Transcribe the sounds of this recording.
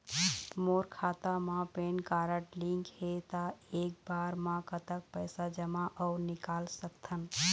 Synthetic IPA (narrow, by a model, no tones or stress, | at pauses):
moɾkʰat̪amãpenkaɾəʈliŋkhet̪aek̚baɾmãkət̪ək̚pəjsad͡ʒəmaʔəʊnikalsəkt̪ʰən